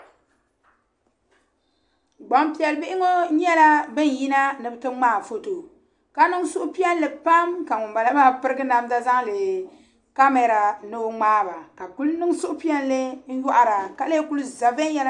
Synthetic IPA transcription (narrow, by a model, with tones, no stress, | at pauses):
ɡ͡ba˨mpi˨ɛ˨lɨ˨bɪ˦ʔɪ˦ŋo˦ɲɛ˦la˦bɨ˦n˨ji˦na˦nɨ˨bɨ˨tɨ˦ŋ͡maː˦˨fo˦to˨ | ka˦nɨ˦ŋ˦sʊ˦ʔʊ˦pi˦ɛ˦n˦lɨ˨pa˦mka˨ŋu˨mba˨la˦maː˦pɨ˦ɾɨ˦ɡɨ˦na˨m˦da˦za˦ŋlɨ˨ | ka˦mɛ˨ɾa˨nɨ˦ŋ͡maː˦ba˨ka˨ku˦lnɨ˦ŋ˦sʊ˦ʔʊ˦pi˦ɛ˦n˦lɨ˦n̩˦jɔ˦ʔa˦ɾa˨ka˦le˦ku˦lu˦za˨ve˦jɛ˦la˦